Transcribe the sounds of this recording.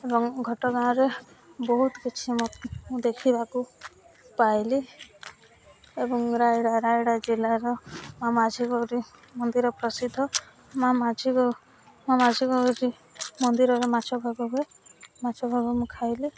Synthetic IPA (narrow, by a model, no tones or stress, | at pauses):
ebɔŋɡʱɔʈɔɡaɽ̃ɔ̃ɾe | bɔɦut̪ɔkit͡ʃʰimɔmũd̪ekʰibaku | pajli | ebɔŋɾajɽaɾajɽad͡ʒilaɾɔmamad͡ʒʱiɡɔɾimɔnd̪iɾɔpɾɔsid̪ʱːɔ | mamad͡ʒʱiɡɔ | mamad͡ʒʱiɡɔɾi | mɔnd̪iɾɔɾemat͡ʃʰɔbʱabɔbe | mat͡ʃʰɔbʱabɔmũkʰajli